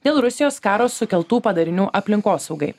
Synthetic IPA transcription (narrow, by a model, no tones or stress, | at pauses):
d̪ʲeːlˠɾʊsʲɪjoːskɑːɾoːsʊkʲɛlˠt̪uːpɐd̪ɐɾʲɪnʲuːʔɐpʲlʲɪŋkoːsɒʊɡɐɪ